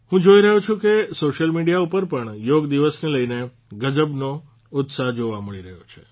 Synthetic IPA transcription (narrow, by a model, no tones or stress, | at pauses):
hũd͡ʒoiɾəɦũt͡ʃʰũkesoʃəlmiɽijaupəɾpəɳjoɡd̪iʋəsneləjne | ɡəd͡ʒəbno | ʊt̪saɦd͡ʒoʋaməɭiɾəɦjot͡ʃʰe